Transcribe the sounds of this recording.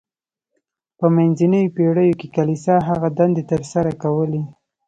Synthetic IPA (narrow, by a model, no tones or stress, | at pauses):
pəmanzinəjopeɽəjokekalisɑɦaɣad̪and̪et̪əɾsaɾakawəle